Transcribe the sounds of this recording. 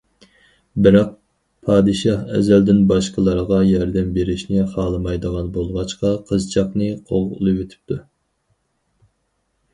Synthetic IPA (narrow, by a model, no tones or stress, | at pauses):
bɪɾɑq̚ | pʰɑːd̪ɨʃɑhɛ̰zɛld̪ɪnbɑʃqəlˠɑɾʁɑjɑɾd̪ɛmbeɾɪʃnɪχɑːlˠɨmɑjd̪əʁɑnbolˠʁɑt͡ʃqɑqʰəzt͡ʃʰɑqnɨqʰo̰ʁʊ̰lˠɨwet̪ʰɪ̥p̚t̪ʰu